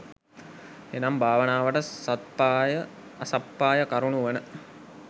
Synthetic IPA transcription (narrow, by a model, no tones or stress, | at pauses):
enambʱaːʋənaːʋəʈəsat̪̚paːjə | sapːaːjəkaɾuɳuʋənə